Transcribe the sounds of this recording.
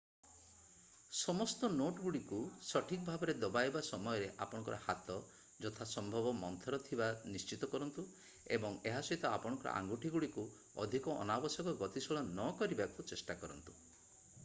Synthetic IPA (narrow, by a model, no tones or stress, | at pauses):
sɔmɔst̪ɔnoʈɡuɽikusɔʈʰikɔbʱabɔɾed̪ɔbajbasɔmɔjɔɾeʔa̰pɔɽɔ̃ŋkɔɾɔhat̪ɔ | d͡ʒɔt̪ʰasɔmbʱɔbɔmɔnt̪ʰɔɾɔt̪ʰibanist͡ʃit̪ɔkɔɾɔnt̪u | ebɔŋeɦasɔit̪ɔapɔɽ̃ɔ̃ŋkɔɾɔ̰ʔa̰ŋɡuʈʰiɡuɽiku | ɔ̰d̪ʱikɔʔɔ̰nabɔsɔkɔɡɔt̪isɔɭɔnɔkɔɾibakut͡ʃesʈakɔɾɔnt̪u̥